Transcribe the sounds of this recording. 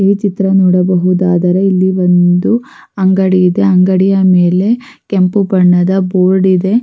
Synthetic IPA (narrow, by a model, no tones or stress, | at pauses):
iːt͡ʃit̪ɾɐnɔːɽɐbɐɦud̪aːd̪ɐɾe̞ilːiʋond̪u | ɐŋɡɐɽijid̪e̞ɐŋɡɐɽijɐmeːle̞ | kempubɐɳːɐd̪ɐboːɾɖid̪e̞